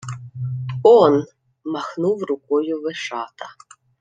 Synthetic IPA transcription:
ɔn | mɑxnuwrʊkɔjʊʋeʃɑt̪ɐ

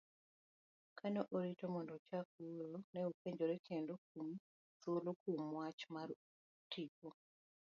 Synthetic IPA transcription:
kʰanɔʔoɾitomɔndɔt͡ʃak̚uɾonɛupeɲd͡ʒoɾɛkʰendok̚umi | solokumwat͡ʃmaɾ | tiko

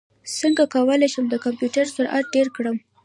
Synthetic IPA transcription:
səŋɡakawəlajʃəmd̪əkampjuʈaɾsəɾʔa̰t̪̚ɖeɾkɽəm

